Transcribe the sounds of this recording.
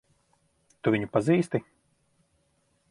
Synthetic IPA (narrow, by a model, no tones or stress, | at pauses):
t̪uvʲiɲupaziːst̪i